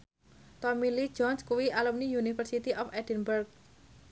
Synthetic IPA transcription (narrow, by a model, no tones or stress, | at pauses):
t̪ɔmili̥d͡ʒɔnskuwiʔalumnijunifərsit̪iʔɔfɛdɛnbərk̚